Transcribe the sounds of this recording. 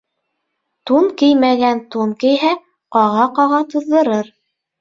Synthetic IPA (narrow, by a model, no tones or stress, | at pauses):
t̪unkɘjmæɡænt̪unkɘ̆jɦæ | qɑʁɑqɑʁɑt̪ŏðːɤ̆ɾɤɾ